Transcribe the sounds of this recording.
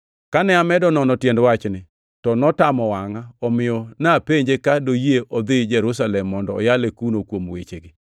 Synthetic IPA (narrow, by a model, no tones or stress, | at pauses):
kanɛamɛdɔnɔnɔtjɛndwat͡ʃnɪ | tɔnɔtamɔwaŋaɔmɪjɔnapeɲd͡ʒekadojieʔɔd̪ɪd͡ʒɛɾʊs̬alɛmːɔndɔ̰ːjalekunokwomwḛt͡ʃeɡɪ